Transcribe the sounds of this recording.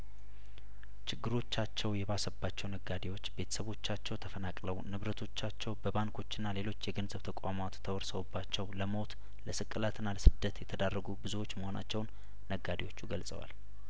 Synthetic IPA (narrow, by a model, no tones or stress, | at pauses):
t͡ʃɪɡːɨɾo̞t͡ʃːat͡ʃːɛwjɛβasəbːat͡ʃːɛwnəɡad̪ewo̞t͡ʃːbe̞t̪ʰə̥səβo̞t͡ʃːat͡ʃːɛwt̪ʰəfənakʼləwnɨβɾət̪ʰo̞t͡ʃːat͡ʃːɛwbəβaŋkʰo̞t͡ʃːɪnːale̞lo̞t͡ʃːjɛɡənzəβt̪ʰəkʷʼamat̪t̪ʰːəwɔɾsəwobːat͡ʃːɛwləmo̞t̪ | ləsɨkʼːɨlat̪ɨnːaləsɨd̪ːət̪jɛt̪ʰəd̪arːəɡubɨzuwo̞t͡ʃːməho̞na̰t͡ʃːɛwnː | əɡad̪ewo̞t͡ʃːuɡəlsʼə̰wa̰l